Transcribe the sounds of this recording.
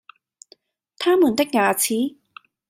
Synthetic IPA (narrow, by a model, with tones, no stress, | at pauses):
t̪ʰaː˥muː˨˩˦nt̪e˥k̚ŋaː˨˧˩t͡sʰiː˨˥